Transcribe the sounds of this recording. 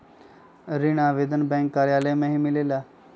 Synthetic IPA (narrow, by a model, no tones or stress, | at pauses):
ɾiɳ̃aːʋed̪ənbɛ̃ːŋkːaːɾɪjaːlemẽːɦĩːmɪleːlaː